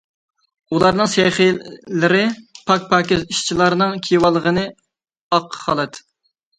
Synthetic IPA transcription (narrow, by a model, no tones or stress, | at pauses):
ulˠɑɾnɨŋseχilɪɾɪpʰɑk̚ʲpʰɑːkʲɪziʃt͡ʃʰilˠɑɾnɨŋkʲʰijwɑlˠːəʁənɨ | ɑqʰːχɑlˠɨt̪